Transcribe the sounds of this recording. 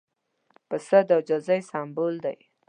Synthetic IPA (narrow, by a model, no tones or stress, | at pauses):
pəsəd̪awd͡ʒazajsɑmbold̪a̰j